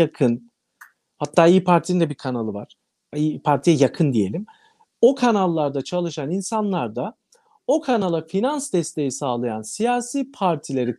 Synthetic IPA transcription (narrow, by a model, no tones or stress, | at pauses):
akʰɯn | hat̪ʰːaːijipʰaɾt̪ʰiind̪ɛbikʰanalˠɯvaɾ̥ | ipʰaɾt̪ʰijɛjakʰɯnd̪ije̞lʲim | o̞kʰanalˠːaɾd̪at͡ʃʰalˠɯʃaninsanlˠaɾd̪a | o̞kʰanalˠafinansd̪ɛst̪ʰe̞jisaːlˠajansijaːsiːpʰaɾt̪ʰilʲe̞ɾi